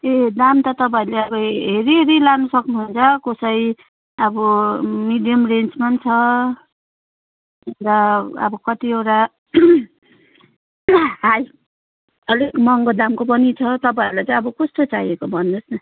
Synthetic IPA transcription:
ed̪amt̪ʌt̪ʌpaileʌbʌɦeɾiɦɾilanusʌknuɦunt͡sʰʌkosʌj | ʌbʌmiɖijʌmrent͡smant͡sʰʌ | ɾʌʌ̰bʌkʌt̪iewɾa | ɦaj | ʌlekmʌŋɡod̪amkopʌnit͡sʰʌt̪ʌpãiɾlajt͡sʌĩʌbʌkost̪ot͡sajekobʱʌnːosnʌ

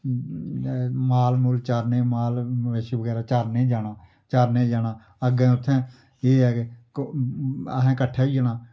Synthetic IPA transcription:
maːlmʊːlt͡ʃaːɾnẽːmaːlʋeːʃiːbəɡɛːɾaːt͡ʃaːɾnẽːd͡ʒaːnaː | t͡ʃaːɾnẽːd͡ʒaːnaː | əɡẽːʊt̪ʰːɛ̃ː | eːɛːke | ə̰ɦẽːkəʈʰːeːiːd͡ʒanaː

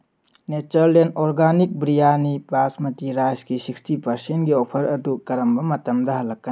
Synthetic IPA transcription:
net͡ʃɐɾlenoɾɡanik̚bɾijanipasmɐtiɾajskisikstipɐɾsentɡiopʰɐɾɐdukɐɾɐmbɐmɐtɐmdɐɦɐlːɐkːɐ

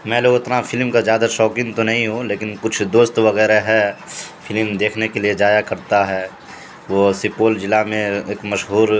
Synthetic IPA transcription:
mɛ̃ːloːɡɪt̪nafʰɪlmkazjaːd̪aʃɔːkɪ̃ŋt̪onɐɦĩɦoleːkɪnkʊt͡ʃʰd̪oːst̪ʋɐɣɛːɾeɦɛpʰɪlmd̪eːkʰnekelied͡ʒaːjakɐɾt̪aɦɛː | ʋosɪpoːld͡ʒɪlamẽeːkmɐʃɦuːɾ

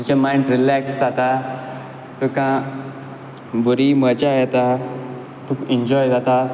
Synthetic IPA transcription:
d͡ʑ̪it͡ɕamaiɳɖɾilɛksd͡zat̪a | t̪əkã | bəɾimət͡ɕajɛt̪a | t̪ũkɛɲd͡ʑɔjd͡zat̪a

